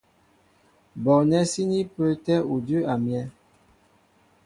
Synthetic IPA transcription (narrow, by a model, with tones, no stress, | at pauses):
bɔ˨nɛ˦si˦ni˦pə˦tɛ˦u˨də˦ʔa˨mjɛ˦